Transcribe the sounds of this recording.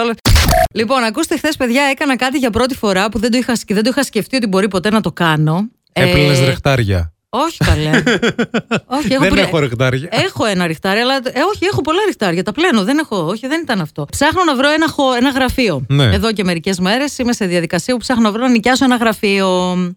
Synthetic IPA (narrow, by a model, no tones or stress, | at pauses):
ololipo̞nɐkust̪exθe̞spe̞ðʝɐe̞kɐnɐkɐt̪̬iʝɐpɾo̞t̪i̥fo̞ɾɐpuðend̪oixɐsciðe̞nd̪oixɐsce̞ft̪io̞t̪̬ibo̞ɾipo̞t̪e̞nɐt̪o̞kɐno̞ | elelezɾɾext̪ɐɾʝɐ̰ | o̞çi̥kɐle | o̞çiexoepexoɾekt̪ɐɾʝɐexo̞enɐɾixt̪ɐɾjɐlɐoçie̞xo̞po̞lɐɾixt̪ɐɾʝɐt̪ɐple̞noðe̞ne̞xo̞oçiðe̞nit̪ɐnɐft̪o̞psɐxno̞nɐvɾo̞enɐxoe̞nɐɣɾɐfio̞nḛe̞ðo̞ce̞me̞ɾice̞zme̞ɾe̞sime̞se̞ðiɐðikɐsiɐpupsɐxnonɐvɾo̞nɐnicɐsoenɐɣɾɐfio